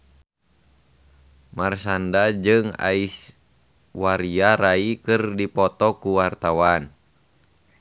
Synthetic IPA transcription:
marsandad͡ʒɨŋa̰is | waɾiaɾaikɨrdipɔt̪ɔkuwart̪awan

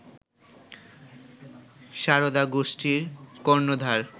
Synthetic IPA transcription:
ʃaɾod̪aɡoʃʈiɾkoɾnod̪ʱaɾ

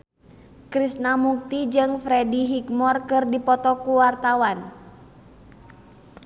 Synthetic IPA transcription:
kɾisnamuk̚t̪id͡ʒɨŋfɾɛdiɦikmɔrkɨrdipɔt̪ɔkuwart̪awan

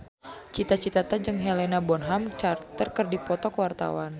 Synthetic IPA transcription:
t͡ʃit̪at͡ʃit̪at̪ad͡ʒɨŋɦɛlɛnabɔnɦamt͡ʃart̪ərkərdipɔt̪ɔkəwart̪a̰wan

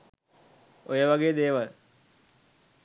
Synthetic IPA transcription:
ojəʋɐɡeːd̪eːʋɐɾ

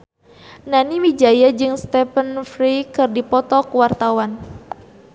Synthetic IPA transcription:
naniwid͡ʒajad͡ʒɨŋst̪ɛpənfɾikɨrdipɔt̪ɔkwart̪awan

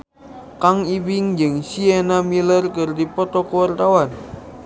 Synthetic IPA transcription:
kaŋiwɪŋd͡ʒɨŋsienamilərkɨrdipɔt̪ɔkəwart̪awan

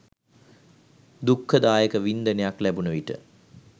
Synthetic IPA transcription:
d̪ukʰːəd̪aːjəkəʋind̪ənejaklæbunəʋiʈə̰

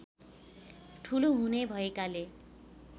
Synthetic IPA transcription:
ʈʰuloɦunebʱʌekale

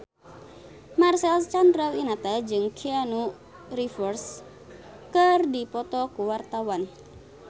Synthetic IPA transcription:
marsɛlst͡ʃand̪ɾalinat̪ad͡ʒɨŋkʰianu | rifɔrs | kərdipɔt̪ɔkuwart̪awan

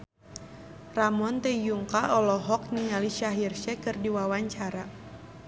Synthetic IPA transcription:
ramɔnt̪ɛjuŋkaʔɔlɔɦɔk̚nialiʃaɦirʃɛkɨrdiwawaɲt͡ʃaɾa

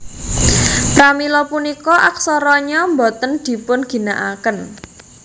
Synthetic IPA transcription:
pɾamilɔpunikɔʔak̚sɔɾɔɲɔmbɔt̪ənd̪̥i̤pʊnɡ̥i̤naʔakən

